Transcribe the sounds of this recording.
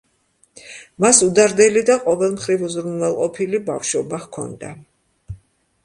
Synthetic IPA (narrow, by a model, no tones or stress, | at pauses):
masud̪aɾd̪ɛlid̪aqʼɔvɛlˠmχɾivuzɾunvɛlˠqʼɔpʰilibafʃɔbahkʰɔ̰nd̪a̰